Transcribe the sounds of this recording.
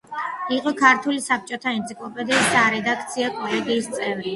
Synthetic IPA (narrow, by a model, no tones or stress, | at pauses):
iqʼɔkʰaɾt̪ʰulisap̚ʰt͡ʃʼɔt̪ʰaɛnt̪sʰikʼlˠɔpʼɛd̪iːsd̪aɾɛd̪ak̚ʰt̪sʰiakʼɔlɛɡiːst̪sʼɛvɾi